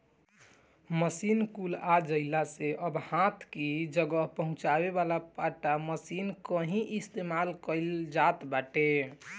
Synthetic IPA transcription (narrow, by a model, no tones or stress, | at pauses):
məsinkulad͡ʒəɪlaseʔəbhãt̪ʰkid͡ʒəɡəɦpəɦʊ̃t͡ʃaβeβalapaʈaməsinkəɦĩʔist̪emalkəld͡ʒat̪baʈe